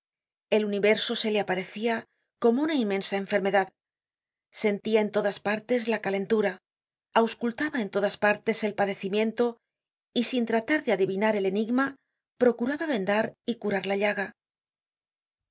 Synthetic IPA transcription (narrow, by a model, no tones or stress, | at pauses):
e̞luniβe̞ɾso̞se̞le̞apaɾe̞θia | ko̞mo̞unainmẽ̞nsae̞ɱfe̞ɾme̞ðað | se̞nt̪iae̞nt̪o̞ðaspaɾt̪e̞zlakale̞nt̪uɾa | awskult̪aβae̞nt̪o̞ðaspaɾt̪e̞se̞lpaðe̞θimjẽ̞nt̪o̞ | isint̪ɾat̪aɾðeaðiβinaɾe̞le̞niɣma | pɾo̞kuɾaβaβe̞nd̪aɾikuɾaɾlaʎaɣa